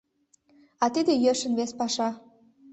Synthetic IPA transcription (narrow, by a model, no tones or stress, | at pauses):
ɑt̪id̪ejøʃə̆nβespɑʃɑ